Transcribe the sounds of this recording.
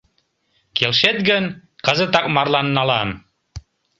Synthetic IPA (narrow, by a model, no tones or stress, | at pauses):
kelʃet̪̚ɡənkɤ̆zə̆t̪ɑk̚mɑrlɑnːɑlɑm